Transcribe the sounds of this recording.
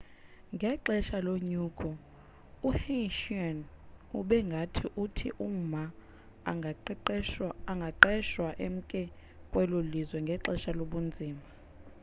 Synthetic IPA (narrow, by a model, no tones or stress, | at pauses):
ŋɡʱɛǃɛʃaloɲuːɡʰʱʼɔ | uheʃanuɓɛŋɡʱatʰiʔutʰḭʔum̩ma | aŋɡʱaǃɛʃwaʔem̩kʼɛ | kʼwɛlolizwɛŋɡʱɛǁɛʃaloɓund͡zʱiːma